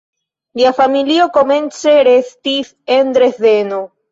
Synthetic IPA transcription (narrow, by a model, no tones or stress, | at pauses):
liafamilio̞ko̞me̞nt͡se̞ɾe̞stis | end̪ɾe̞ze̞no